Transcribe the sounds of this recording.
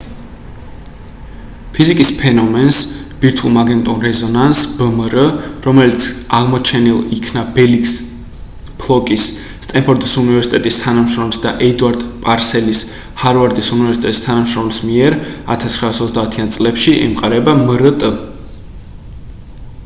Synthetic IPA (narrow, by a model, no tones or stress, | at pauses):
pʰizikʼispʰɛnɔmɛnsb̥iɾt̪ʰulˠmaɡɛnt̪ʼɔnɾɛzɔnansb̥əməɾəɾɔmɛlit̪sʰaʁmɔt͡ʃʰɛnilˠikʰnabɛliks | pʰlˠɔkʼisː | t̪ʼɛmpʰɔɾd̪isunivɛɾsi̥t̪ʼɛt̪ʼist̪ʰanamʃɾɔmlsd̪aʔɛd̪uaɾd̪pʼaɾsɛlis | haɾvaɾd̪isunivɛɾsit̪ʼɛt̪ʼist̪ʰanamʃɾɔmlsmiɛɾa̰t̪ʰasχɾaːsɔt̪ʰd̪aːt̪ʰiant̪sʼlɛpʃiʔɛ̰mqʼaɾɛbaməɾət̪ʼə